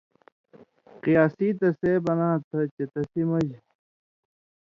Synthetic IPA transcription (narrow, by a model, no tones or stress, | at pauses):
qijaːsiːt̪ɐseːbɐnaːt̪ʰɐt͡ɕet̪ɐsimɐd͡ʑ